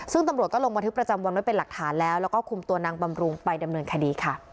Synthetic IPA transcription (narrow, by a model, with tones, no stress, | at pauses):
sɯ˥˩ŋt̪a˧mɾu˨˩t̪̚kɔː˥˩lo˧ŋma˧nt̪ʰpɾa˧t͡ɕa˧mwa˧ndu˥˩pe˧nla˨˩k̚t̪ʰaː˩˦nlɛː˦˥wlɛː˦˥wkɔː˥˩kʰu˧mt̪u˧ɐnaː˧ŋba˧mɾu˧ŋpa˧jda˧mnɤː˧nkʰa˧diː˧kʰa˥˩